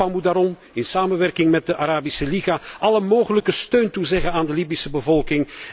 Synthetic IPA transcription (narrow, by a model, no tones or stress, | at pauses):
amutdaːɾɔm | ɪnsaːməʋɛrkɪŋmɛt̚dəʔaɾaːbisəliɣaːʔɑləmoːɣələkəstøːntuzɛɣənaːndəliːbisəbəvɔlˠkɪŋ